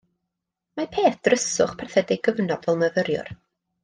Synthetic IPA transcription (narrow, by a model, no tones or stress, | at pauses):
mapʰeːθd̥rəsʊχpʰɛrθɛdɪɡəvnɔdvɛlˠməvəɾjʊ̰r